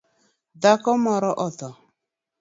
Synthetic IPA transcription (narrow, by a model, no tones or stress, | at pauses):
dakɔmɔɾɔʔɔt̪ɔ